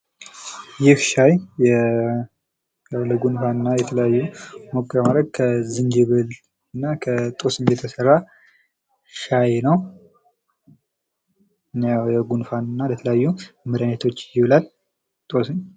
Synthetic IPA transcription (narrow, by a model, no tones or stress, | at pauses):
jɪhʃajjɛ | jawləɡunfanɨnːajɛt̪ʰələjajːumo̞kʼːəɾmad̪ɾəɡ̚kʰəzɨnd͡ʒɨβɨl | ɨnːakʰət̪ʼo̞sɨɲjɛt̪ʰəsərːa | ʃajnəw | ɨnjawjɛɡunfanɨnːalət̪ʰələjajːumɨɾanet̪ʰo̞t͡ʃːjɪβɨlal | t̪ʼo̞sɨɲ